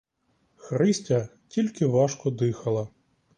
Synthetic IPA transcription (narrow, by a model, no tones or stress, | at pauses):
xɾɪsʲtʲɐ | tʲilʲkɪʋɑʃkɔd̪ɪxɐlˠɐ